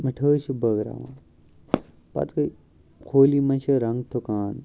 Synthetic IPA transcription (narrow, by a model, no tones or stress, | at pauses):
mɐʈʰəːʃibəɡɾa̰ːʋã̰ː | pɐ̰t̪kə | kʰoːlimɐʃʰɐɾɐŋɡt̪ʰokaːn